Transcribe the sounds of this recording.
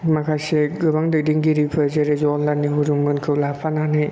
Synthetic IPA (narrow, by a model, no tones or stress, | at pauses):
makʰaseɡɯbaŋdɯdiŋɡiɾipʰɐɾzeɾeziɔnlajnːiɦuɾuŋmɯnkʰɯwlapʰananɯj